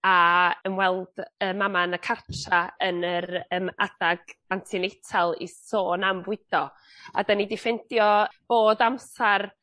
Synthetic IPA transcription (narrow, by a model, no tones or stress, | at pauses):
aəmwɛlˠd̥əːmamanəkʰartʰraənəɾəːma̰d̥aɡantʰinejtʰalˠḭsoːnambwɪd̥ɔ | a̰danidɪfɛndjɔb̥oːdamsar